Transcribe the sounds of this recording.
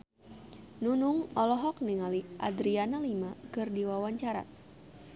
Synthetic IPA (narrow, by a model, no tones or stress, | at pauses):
nunuŋɔlɔɦɔk̚niŋaliʔa̰d̪ɾianalimakɨrdiwawaɲt͡ʃaɾa̰